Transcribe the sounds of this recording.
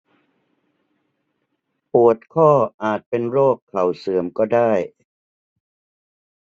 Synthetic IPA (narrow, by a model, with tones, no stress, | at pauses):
pu˨˩ət̪̚kʰɔː˥˩ʔaː˨˩t̪̚pe˧nɾoː˥˩kʰːa˨˩wsɯ˨˩˦əmkɔː˥˩daː˥˩j